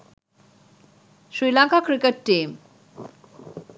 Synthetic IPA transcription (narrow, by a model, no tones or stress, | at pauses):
ʃɾilaŋkakɾikeʈːim